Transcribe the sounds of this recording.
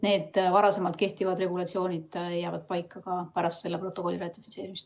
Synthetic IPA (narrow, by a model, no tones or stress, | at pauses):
ne̞ːd̪̥vɑɾɑse̞mɑlt̪̚ke̞ht̪ivɑd̪re̞ɡulɑt̪sio̞ːnʲid̪̥jæːvɑd̪̥̚pɑjkːɑkɑpæɾɑst̪se̞lːepro̞t̪ːˑo̞ko̞lʲːirɑt̪ːˑi̥fi̥t̪se̞ːɾimist̪